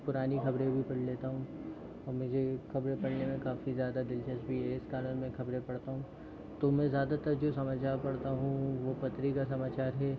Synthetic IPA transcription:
pʊɾaːnixɐbɾẽbʱipɐɽ̤leːt̪aɦũ | ɔːɾmʊd͡ʒʱexɐbɾẽpɐɽnemẽkaːfizjaːd̪ad̪ɪlʃɐsbʱiɦeɪskaːlənmẽxʰɐbɾẽpɐɽt̪aɦũː | t̪omɛ̃zjaːd̪at̪ɐɾd͡ʒoːsɐmad͡ʒaːpɐɽt̪aɦũʋopɐt̪ɾikasɐmaːt͡ʃaːɾɦɛː

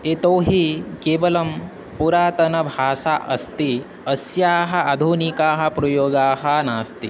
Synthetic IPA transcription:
et̪oːɦikeːʋɐlɐm | puɾaːt̪ɐnɐbʱaːsaʔɐ̰st̪i | ɐsjaːɦɐ̆ɐd̪ʱunikaːɦɐ̆pɾɐjoːɡaːɦɐnaːst̪i

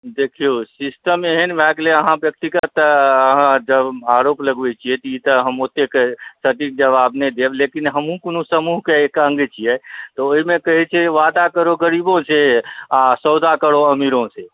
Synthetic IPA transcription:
d̪ekʰijosisʈəmeɦənbakleəɦãbjək̚t̪ikət̪əɦãd͡ʒəbaɾopləɡbɛt͡ʃʰiɛt̪ɔit̪əɦəmot̪ekesəʈikd͡ʒəβabned̪eblekinɦəmɦũkonũsəmuɦkeekə̃ŋɡet͡ʃʰijɛt̪ɔoɦimẽkəɦɛt͡ʃʰɛʋad̪akəɾoɡəɾibõseasəwd̪ʱakəɽoəmiɾõse

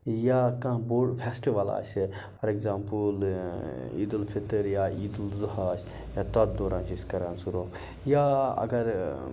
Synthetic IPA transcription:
jaːkɐ̃boːɖfʰesʈiʋaːla̰ːse | pʰɐɾekzaːmpul | ḭːd̪əlfɪt̪əɾjaːiːd̪ulzʊɦaːs | jaːt̪ɐd̪̚d̪oːɾãːnt͡ʃiskɐɾaːnsuɾoː | jaːɐ̰ɡɐɾ

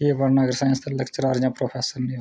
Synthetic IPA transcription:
jeːbɐɾnaːɡɐɾsaːj̃nst̪ɐlɐkt͡ʃəɾaːɾjãːpɾoːpʰeːsəɾni

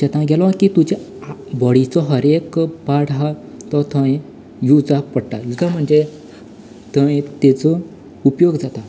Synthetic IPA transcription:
ɕɛt̪ãɡɛlɔ̃kit̪ud͡ʑe | bɔɽit͡sɔɦəɾekbaɽɦa | t̪ɔt̪ʰə̃ | jud͡zapəɽt̪ajud͡zam̤əɳd͡ze | t̪əẽt̪et͡sɔ | upjoɡd͡zat̪a

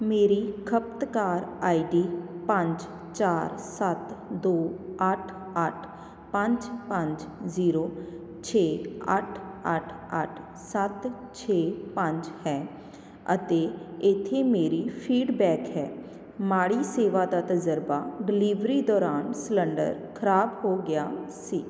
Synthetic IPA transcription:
meːɾiːkʰəp̚t̪kaːɾaːiɖiːpə̃ɲd͡ʒ | t͡ʃaːɾsət̪d̪oːəʈʰ | əʈʰ | pə̃ɲd͡ʒpə̃ɲd͡ʒziːɾoː | t͡ʃʰeːəʈʰəʈʰə̰ʈʰ | sət̪t͡ʃʰeːpə̃ɲd͡ʒhɛː | ət̪eːɪt̪ʰːeːmeːɾiːpʰiːɖbɛːkɦɛː | maːɽiːseːʋaːd̪aːt̪əzəɾbaːɖɪliːʋɾiːd̪ɔːɾaːnsləɳɖə̰ɾkʰəɾaːbɦoːɡɪjaːsiː

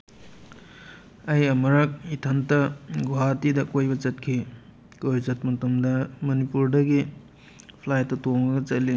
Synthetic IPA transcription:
ɐjɐmɐɾɐk̚itʰɐntɐɡuatidɐkojbɐt͡ʃɐt̚kʰi | kojzɐt̚mɐtɐmdɐmɐnipuɾdɐɡi | pʰlajtːɐtoŋɐɡɐt͡ʃɐlːi

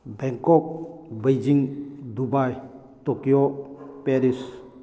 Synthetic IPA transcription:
bɛŋkɔk̚bejd͡ʒiŋdubaj | tɔkjopeɾis

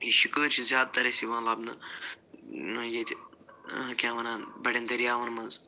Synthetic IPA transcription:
iʃukəːɾt͡ʃʰizjaːd̪̚t̪ɐɾɐsiʋãːlaːbnɐ | nɐjet̪ʰʲ | kʲãːʋɐnɐbɐɽend̪ɐɾijaːʋɐnmɐnz

